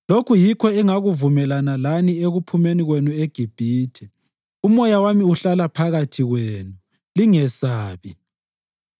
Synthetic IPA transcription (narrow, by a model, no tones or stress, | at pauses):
lokʰujikʰɔɛŋaɣuvumɛlanalanieɣupʰumeniɣwenueɡ̥ʱib̥ʱiːtʰɛ | umɔjawamiuɬalapʰaɣatʰiɣweːnu | liŋɛsaːβi